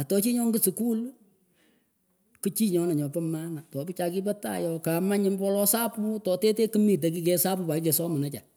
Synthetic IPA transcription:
a˨tɔ˨t͡ʃi˦ɲɔ˦ŋɡɨ˦su˨ku˦l | kɨ˦t͡ʃi˦ɲɔ˨˦na˨ɲɔ˨pɔ˦ma˦na˨tɔ˨pɪ˦t͡ʃa˧kɪ˦p̬ɛ˦ta̰˦˨jɔ˨ka˨ma˦ɲɪ˦mbɔ˦lɔ˦sa˦pu˦tɔ˨te˦te˦kɨ˦mi˨t̬e˨k̬i˦k̬ɛ˦sa˦pu˦pa˨kɪ˦t͡ʃɛ˨sɔ˦mʊ˨na˦t͡ʃa˨

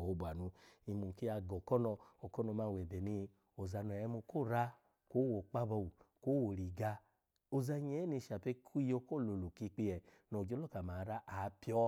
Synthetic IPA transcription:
o˨˧bʷa˨nu˧i˧mu˨ki˦a˧ɡɔ˨kɔ˦nɔ˧o˨kɔ˦nɔ˧ma˧˨wɛ˨bɛ˨ni˧ | o˨za˧nɔ˨ɛ˧˦mu˧ko˦˨ɾa˦ | ko˦wo˨k͡pa˦bɔ˧wu˨ko˦wo˨ɾi˨ɡa˧ | o˧za˧ɲɛ˨˦ni˧˨ʃa˨pe˦kʰu˦jo˧ko˦˨lo˨lo˨ki˧k͡pi˧ɛ˨ | no˨d͡ʒo˦lɔ˦˨ka˨ma˨˦ɾa˦ʔa˨˦pi˦ɔ˦

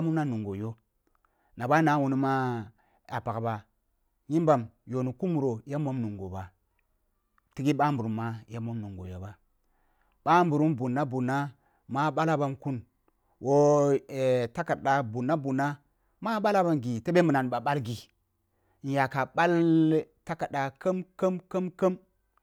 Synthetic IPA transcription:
mo˦mna˦nu˨ŋɡo˨jo˦ | na˨ba˦na˨˦wu˨ni˦ma˦ | a˨pa˨kba˨ | ɲi˦mba˨mjo˨nu˨ku˦mu˨ɾo˨ja˦mo˦mnu˨ŋɡo˨ba˨ | ti˦ɡi˦ɓa˦mbu˨ɾu˨˦mːa˦ja˦mo˦mnu˨ŋɡo˨jo˨˦ba˦ | ɓa˦m˦bu˨ɾu˦mbu˨nːa˦bu˨nːa˦ | ma˦ɓa˦la˦ba˦mku˦n | wʔo˦˨ | ta˦ka˨ɗa˨bu˨nːa˦bu˨na˦ | ma˦ɓa˦la˦ba˦mɡi˨te˦ɓe˦mu˨na˨nɓa˨ɓa˦lɡi˨ | n˨ja˨ka˨ɓa˦lta˦ka˨da˨kə˦mkə˦mkə˦mkə˦m

